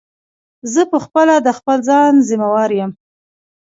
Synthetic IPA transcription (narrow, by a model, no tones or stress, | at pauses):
zəpəxpəlad̪əxpəlzɑnzimawɑɾjəm